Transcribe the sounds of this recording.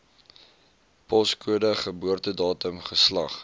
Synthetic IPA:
pɔskuədəχəbuərtədɑːtəmχəslɐχ

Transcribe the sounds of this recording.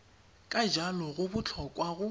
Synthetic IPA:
kʼad͡ʒalɔɣʊbʊt͡ɬʰɔkʼwaɣʊ

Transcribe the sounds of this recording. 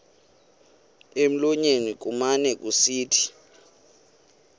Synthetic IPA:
em̩lɔɲenik̬umanɛk̬ʼusiːtʰi̥

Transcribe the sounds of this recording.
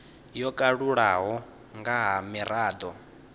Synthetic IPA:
jɔkʼaɺuɺaɦɔ | ŋɡaɦamiraːd̪ɔ

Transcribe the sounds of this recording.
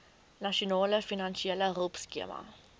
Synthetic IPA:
nɐʃionɑːləfinɐnʃiɛlərɔlˠpskiəmɐ̰

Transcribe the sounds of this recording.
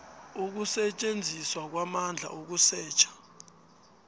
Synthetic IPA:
uk̬usɛt͡ʃʼend͡zʱiswak̬wamand͡ɮʱa̰ʔuk̬usɛːt͡ʃʰḁ

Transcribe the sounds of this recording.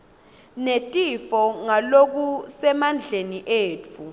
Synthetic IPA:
netʼifɔŋalok̬usɛmand͡ɮʱeniʔeːt͡fʰu

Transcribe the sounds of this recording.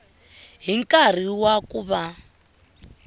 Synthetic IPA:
ɦiŋ̩kʼar̤iwakuβa

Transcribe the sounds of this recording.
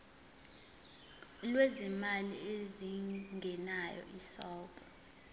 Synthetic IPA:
lwɛzimalieziŋɡʱɛnajɔ̰ʔisɔlpʰʼa

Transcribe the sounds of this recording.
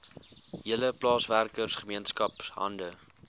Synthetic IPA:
ɦiələplɑːsværkərsχəmiənskɐpsɦɐ̰ndə

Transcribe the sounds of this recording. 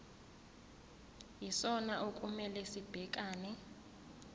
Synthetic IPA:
jisɔnaʔokʼumɛlɛsib̥ʱɛk̬ʼaːnɛ

